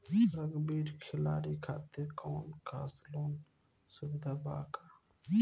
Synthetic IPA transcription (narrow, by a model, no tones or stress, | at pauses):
ɾəɡbiːɾkʰɪlaːɾikʰaːt̪eɾkoːnkʰa̰ːsloːn | sʊbɪd̪ʱaːba̰ːka